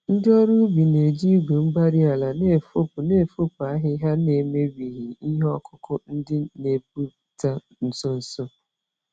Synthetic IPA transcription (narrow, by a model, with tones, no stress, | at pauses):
n̩˦dɪ˦ɔ˦ɾu˦bi˨ne˨d͡ʒi˦ɡʷe˨m̩˦ba˦ɾi˦a˨la˨ne˦˨fo˦pʊ˨ne˦˨fo˦pa˦ɦɪ˦ɦa˦ne˨me˦bi˨ɦi˨i˦ɦe˦ɔ˦kʊ˦kʊ˦n̩˦dɪ˦ne˨p̚u˦ | ta˦ | n̩˨sɔ˦n̩˦sɔ˦